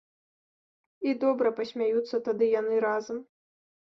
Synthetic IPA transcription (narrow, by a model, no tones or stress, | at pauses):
id̪ɔbɾɐpɐsʲmʲajut̪sːɐt̪ad̪ɨjanɨɾazɐm